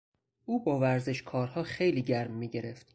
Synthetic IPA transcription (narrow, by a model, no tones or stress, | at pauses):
ʔuːbɒːvæɾzeʃkʰɒːɾhɒːxe̞jliːɟæɾmːiːɟe̞ɾe̞ft̪